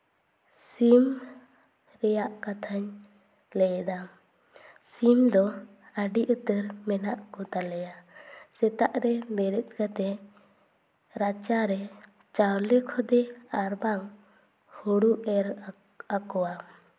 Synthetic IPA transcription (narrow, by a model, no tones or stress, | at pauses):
sim | ɾɛjaʔkat̪ʰaɲ | lɛjɛd̪a | simd̪ɔ | əɖiʔut̪əɾmɛnaʔkɔt̪alɛjasɛt̪aʔɾɛmɛɾɛt̪̚ˀɡat̪ɛ | ɾat͡ʃaɾɛ | t͡ʃaɾlɛkʰɔd̪ɛaɾbaŋ | huɽuʔɛɾ | akɔwa